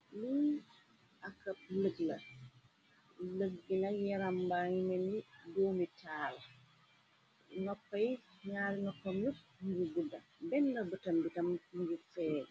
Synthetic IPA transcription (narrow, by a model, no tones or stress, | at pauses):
lu | akap̚ləɡla̰ | ləɡːinajɛɾambaŋimendidomitʰaːla | nɔkːɔj | ɲaːɾinɔkːɔmjut̚ | ɲd͡ʒuɡudːa̰bɛnːabətambitamɲd͡ʒufɛːɾɛ